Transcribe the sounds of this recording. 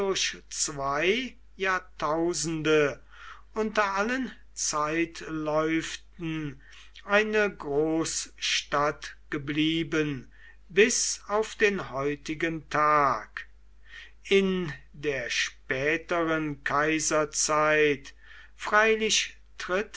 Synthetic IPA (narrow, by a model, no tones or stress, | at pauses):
dʊɐʃt͡svaɪ | jaːɐtʰaʊzn̩də | ʔʊntɐalən | t͡saɪtlɔʏftn̩ | ʔaɪnəɡʁoːsʃtatɡ̥əbliːbən | bɪsaʊfd̥eːnhɔʏtɪɡəntʰaːk | ɪn | deːɐʃpɛːtəʁənkʰaɪzɐt͡saɪt | fʁ̥aɪlɪʃ | tʁɪt